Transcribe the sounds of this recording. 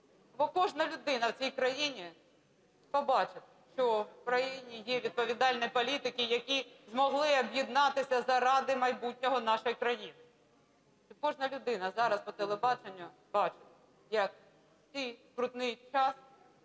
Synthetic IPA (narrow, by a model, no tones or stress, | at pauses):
bɔkɔʒnɐlʲʊd̪ɪnɐwt͡sʲijkɾɐjinʲi | pɔbɑt͡ʃɪt̪ʃt͡ʃɔukɾɐjinʲijɛʋʲid̪̚pɔʋʲid̪ɑlʲnɔjpɔlʲit̪ɪkɪjɐkʲizmɔɦlˠɪɐbʲjid̪nɑt̪ɪsʲɐzɐɾɑd̪ɪmɐjbut̚ʲnʲɔɦɔnɑʃɔjkɾɐjinɪ | kɔʒnɐlʲʊd̪ɪnɐzɑɾɐspɔt̪elˠebɑt͡ʃenʲːʊ | b̥ɑt͡ʃɪ̥t̪̚ | jɐk̚ | t͡sʲijkɾʊt̪nɪjt͡ʃɑs